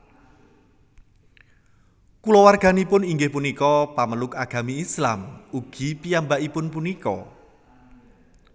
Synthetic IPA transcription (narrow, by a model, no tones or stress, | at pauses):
kulɔwarɡ̥a̤nipʊniŋɡɪhpunikɔpaməlʊkaɡ̥a̤miːslamuɡ̥i̤pijambaʔipʊnpunikɔ̰